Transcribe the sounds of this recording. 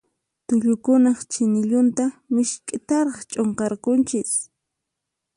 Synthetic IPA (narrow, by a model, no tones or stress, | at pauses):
t̪ʊʎʊkʊnɑχt͡ʃɪnɪʎʊnt̪amɪʃkʼɪt̪aɾɑχt͡ʃʼoɴqɑɾkʊnt͡ʃɪs